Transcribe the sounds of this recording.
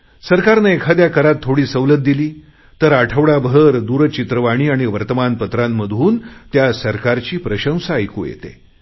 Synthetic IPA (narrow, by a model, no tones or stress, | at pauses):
səɾkaɾnəekʰad̪jakəɾat̪ʰːoɽiːsəʋlət̪̚d̪iliː | t̪əɾaʈʰəʋɽabʱəɾd̪uɾt͡ɕit̪ɾəʋaɽ̃iːaɽ̃iʋəɾt̪əmanpət̪ɾamːəd̪ʱuːnt̪jasəɾkaɾt͡ɕiːpɾəɕə̃w̃saəjkṵːjḛt̪ḛ